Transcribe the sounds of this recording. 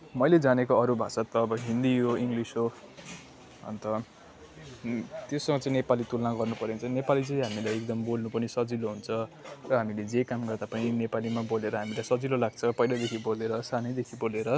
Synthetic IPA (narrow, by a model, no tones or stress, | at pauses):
mʌjled͡zanekoʌɾubʱasʌt̪ːʌːbʌɦind̪iɦoiŋɡlisɦo | ɦʌ̰nt̪ʌ | t̪josʌŋɡʌt͡sʌ̃ĩnepalit̪ulnaɡʌrnupʌɾint͡sʰʌ̃nepalit͡sʌĩɦamilajekd̪ʌmbolnupʌnisʌd͡ziloɦunt͡sʰʌrʌɦamiled͡zekamɡʌrd̪apʌninepalimaboleɾʌɦamilajsʌd͡zilolaɡ̚t͡sʰʌpʌilʌd̪ekʰiboleɾʌsanʌjd̪ekʰiboleɾʌ